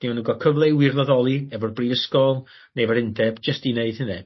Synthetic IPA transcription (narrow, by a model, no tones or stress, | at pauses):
d̥iɔnəŋɡɔkʰəvlˠewɨrlɔðɔlˠiɛvɔrbriːvəskɔlˠ | nevɔɾɪndɛbd͡ʒəstineɨd̥̚hɪnðɛ